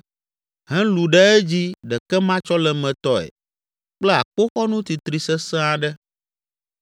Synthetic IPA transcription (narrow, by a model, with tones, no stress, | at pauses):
ɦɛ̃˦lu˨ɖɛ˦ɛ˦d͡ʑi˦ɖɛ˨kɛ˦mã˦t͡ʃɔ˦lɛ˨mɛ̃˨t̪ɔ˦ɛ̰˨ | k͡plɛ˦a˨k͡po˦xɔ˦nũ˦t̪i˨t̪ɾi˨sɛ˦sɛ̃˦a˨ɖɛ˦